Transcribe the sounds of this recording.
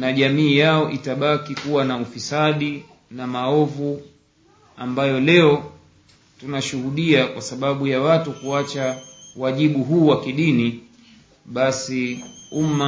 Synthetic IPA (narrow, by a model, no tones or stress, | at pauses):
naʄamiːjaɔʔitaɓakikuwanaufisaɗi | namaɔvu | ambajɔlɛɔ | tunaʃuhuɗiakwasaɓaɓujawatukuat͡ʃawaʄiɓuɦuːwakiɗini | ɓasiuma